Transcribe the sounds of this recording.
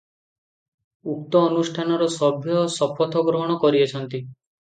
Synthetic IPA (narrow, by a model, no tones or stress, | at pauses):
uk̚t̪ɔːnusʈʰanɔɾɔsɔbʱjɔsɔpʰɔt̪ʰɔɡɾɔɦɔɽ̃ɔkɔɾiet͡ʃʰɔnt̪i